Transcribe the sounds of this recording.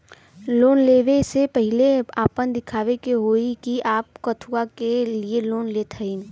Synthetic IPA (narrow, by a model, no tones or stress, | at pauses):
loːnleːʋesepɛɦɪleaːpənd̪ɪkʰaːʋekeɦoːikiʔaːp̚kət̪ʰuakelieloːnleːt̪ʰəin